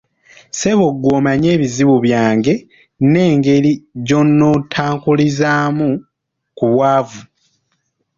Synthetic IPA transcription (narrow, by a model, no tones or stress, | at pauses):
se̞βo̞ɡwo̞ːmaɲe̞ːβiziβuβjaːŋɡe̞ | ne̞ːŋɡe̞liɟo̞nːotʰaːŋkulizaːmu | kuβwaːvu